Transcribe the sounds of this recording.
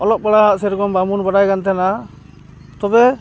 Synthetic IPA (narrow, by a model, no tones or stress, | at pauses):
ɔlɔp̚baɽaɦaʔsɛɾkɔmbamunbaɽajkant̪ɛna | t̪ɔbɛ